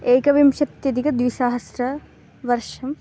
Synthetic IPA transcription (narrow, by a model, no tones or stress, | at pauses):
eːkɐʋimʃɐt̪jɐd̪ikɐd̪ʋisaːɦɐsɾɐ | ʋɐɾʃɐm